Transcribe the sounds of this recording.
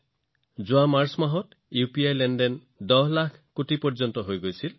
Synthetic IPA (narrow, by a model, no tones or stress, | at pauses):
d͡ʒuamaɾsmaɦɔt̪ | jupiajlenɖen | d̪ɔɦlakʰkoʈipɔɾd͡ʒɔnt̪ɔɦojɡojt͡ʃʰil